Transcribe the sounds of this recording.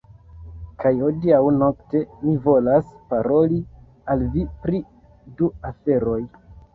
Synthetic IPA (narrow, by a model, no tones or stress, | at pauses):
kajodiawno̞kte̞mivo̞laspaɾo̞li | alvipɾi | duafe̞ɾo̞j